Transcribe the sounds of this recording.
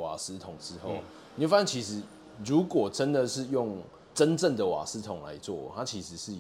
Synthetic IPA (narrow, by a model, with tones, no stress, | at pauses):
wa˨˩sɹ̩˦˥t̪ʰʊ˨˩ŋʈ͡ʂɻ̩˧˥xo˥˨ʊ | n˨wfa˥ɕə˥˩t͡ɕʰi˧˥ʂɻ̩˧˦ | ɻu˨˥kwɔ˨˩ʈ͡ʂə˦nd̪ə˨ʂɻ̩˥˧jʊ˥˩ŋ | ʈ͡ʂə˦˥nʈ͡ʂə˥˩ŋd̪ə˨wa̰˨˩sɻ̩˦˥t̪ʰʊ˨˩˦ŋla̰˧˦ɪt͡swɔ̰˥˨˩t̪ʰa˦t͡ɕʰi˧˥ʂɻ̩˧˥ʂɻ̩˥˩